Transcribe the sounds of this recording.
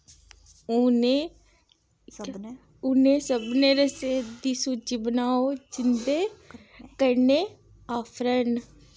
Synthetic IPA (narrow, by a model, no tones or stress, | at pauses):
oneː | ʊnẽːsəbneːɾəseːd̪isud͡ʒibənaːoːd͡ʒɪnd̪eː | kəɾneː | aːfʰɾən